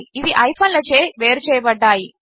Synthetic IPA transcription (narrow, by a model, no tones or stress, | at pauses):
iʋiʔɐjpʰɐːnlɐt͡ʃeːʋe̞ːɾut͡ʃɛːjɐbɐɖːaːji